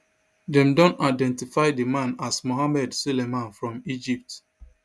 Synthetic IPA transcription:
dɛ̃mdɔ̃naɪdɛ̃ntifaɪdemãnasmoɦamɛdsulemãnfɹɔ̃mid͡ʒip̚t

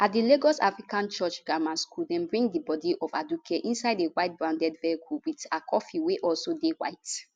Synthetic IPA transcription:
at̚dileɡɔsa̰fɹikãnt͡ʃɔt͡ʃɡamãnskuldɛ̃nbɹĩŋɡdibɔdiʔɔvadukʰeʔĩnsaɪdewaɪt̚bɹãndɛdvɛikʰulwitakʰɔfiweʔɔlsodewa̰ɪt

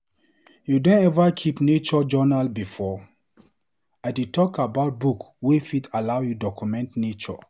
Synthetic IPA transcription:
judɔ̃nɛvakʰipnet͡ʃɔd͡ʒɔnalbifɔ | aɪditʰɔkʰabaʊt̚buk | wefitalaʊjudɔkʰumɛ̃ntnet͡ʃɔ̰

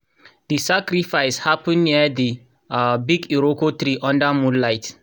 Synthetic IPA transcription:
disakɾifaɪshapə̃nːiədi | biɡiɾokot̪ɾiʔɔ̃ndamũlaɪt

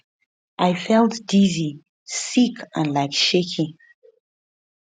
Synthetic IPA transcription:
ʔaɪfɛlˠtdizi | sikʰə̰̃nlaɪkʃekʰĩ

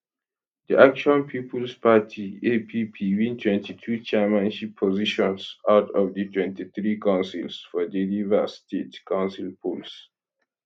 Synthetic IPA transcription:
diʔak̚t͡ʃuãnpʰipulspatʰiepʰipʰiwĩntʰwɛ̃ntitʰut͡ʃɛmãnʃipʰːɔziʃɔ̃nsaʊtʰɔvditʰwɛ̃ntiθɹikãʊ̃nsḭlsfɔdilivəstetkʰãʊ̃nsilpʰuls

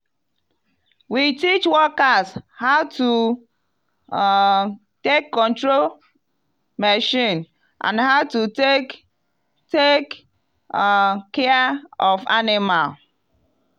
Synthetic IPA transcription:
witit͡ʃwɔkashaʊtu | tekːɔ̃ntɹol | mɛʃĩn | ʔã̰nhaʊtu | tek | kɛɔfa̰nɪmal

